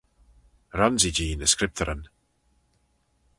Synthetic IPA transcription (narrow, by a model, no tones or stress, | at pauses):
ɾɔnzid͡ʒiːnəskɾɪp̚t̪ʰəɾən